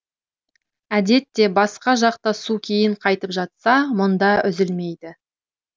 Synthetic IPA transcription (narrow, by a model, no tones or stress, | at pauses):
æd̪e̞t̪ːe̞bɑsqɑʒɑqt̪ɑsukʲʰe̞jɪɴqʰɑjt̪əpʒɑt̪sɑmʊnd̪ɑʔʏzɪlme̞jd̪ɪ